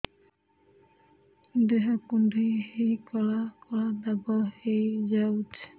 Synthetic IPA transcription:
d̪eɦakundihejkɔlakɔlad̪abɔhejd͡ʒawt͡ʃʰ

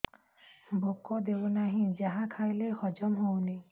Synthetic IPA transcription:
bokɔd̪ebɔnaɦĩd͡ʒaɦakʰajlexʰɔd͡ʒɔmɦowni

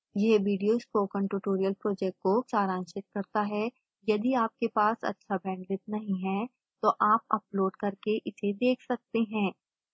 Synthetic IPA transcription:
jeʋiːɖijoɪspoːkə̃ɳʈuːʈoːɾijəlpɾoːd͡ʒɛk̚ʈ̚koksaːɾãːnʃɪt̪̚kɐɾt̪aɦɛ | jɐd̪iaːp̚kepaːsɐ̰tːʃʰabʱɛ̃ːɳɖɾɪt̪̚nɐɦĩɦɛ̃ | t̪oʔaːp̚ɐploːɖkɐɾkeʔɪsed̪eːkʰsɐk̚t̪eɦɛ̃ː

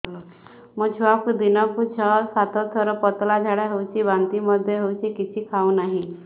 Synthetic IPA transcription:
məɡt͡ɕʰuʋakud̪inɔkut͡ɕʰəsat̪ʰət̪ʰəɾəpət̪lad͡zʱaɽaɦowt͡ɕiːbant̪iməd̪ʱːjeɦowt͡ɕiːkit͡ɕʰiːkʰawnaɦi

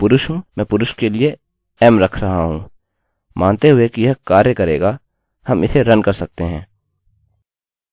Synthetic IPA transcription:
pʊɾʊʃɦũːmɛ̃ːpʊɾʊʃkelɪe | ɛːmɾɐkʰɾɐɦaɦũː | mʔãːnt̪eɦʊekijɐɦkaːɾjəkɐɾeːɡa | hɐmɪseɾɐnkɐɾsɐk̚t̪eɦɛ̃ː

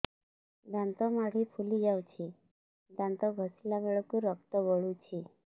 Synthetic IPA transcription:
d̪ãnt̪ɔmaɽ̤iːfʰuliɡawt͡ɕʰi | d̪ãnt̪ɔɡʱəsljaʋeɭɔkuɾək̚t̪əbɔɭut͡ɕi

